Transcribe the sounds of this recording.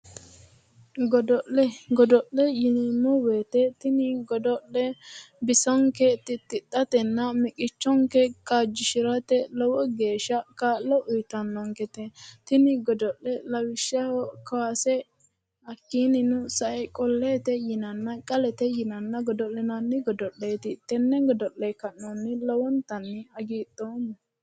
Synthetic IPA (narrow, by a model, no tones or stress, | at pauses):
ɡɔd̪ɔʔlɛɡɔd̪ɔʔlɛjɪnɪmɔweːt̪ɛt̪ɪnɪɡɔd̪ɔlːɛbɪsɔŋkɛt̪ːɪt̪ːɪt̪ʼːɐt̪ɛnːɐmɪkʼɪt͡ʃːɔŋkɛkad͡ʒɪʃɪɾɐt̪ɛlɔwɔɡe̞ːʃːɐkaːlːɔʔʊjt̪ːɐnːɔŋkɛt̪ɛt̪ɪnɪɡɔd̪ɔlːɛlɐwɪʃːɐɔkɐwasɛ | ɐkːiːnɪnʊsɐʔɛkʼɔlːeːt̪ɛjɪnɐnːɐkʼɐlɛt̪ɛjɪnɐnːɐɡɔd̪ɔlːɛnɐnːɪɡɔd̪ɔlːeːt̪ɪt̪ːɛnːɛɡɔd̪ɔlːɛkɐʔɔnːɪlɔwɔnt̪ɐnːɪɐɡiːt̪ʼːoːn